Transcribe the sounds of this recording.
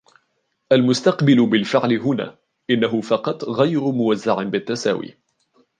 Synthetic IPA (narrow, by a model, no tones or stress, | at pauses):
ʔalmʊst̪ɑqbɪlʊbɪlfɪʕlɪɦʊna̰ː | ʔɪnːaɦʊfɑqɑt̪ˤɣajɾʊmʊwazːaʕɪnbɪt̪ːasa̰ːwḭː